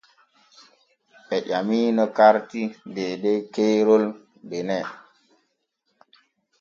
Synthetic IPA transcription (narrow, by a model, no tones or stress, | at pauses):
ɓɛʄamiːnɔkaɾtideɗekeɾol | benɛ